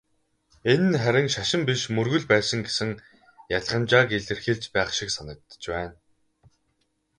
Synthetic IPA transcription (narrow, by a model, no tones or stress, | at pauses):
enɘ̆nχæɾʲɪ̆ŋʃaʃɪ̆mpiʃmɵrɣɵ̆ɮpæːsə̆ŋɡesɘ̆ŋ | jaɮʁə̆mt͡ɕaːkeɮɘ̆rxeːɮt͡ɕpæːχʃiksanə̆k̚t̪ːə̥̆t͡ɕwæːn